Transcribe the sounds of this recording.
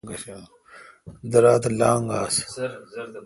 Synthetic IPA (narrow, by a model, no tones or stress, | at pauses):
ɡɐa | d̪ɐɾaːt̪lãːŋɡaːs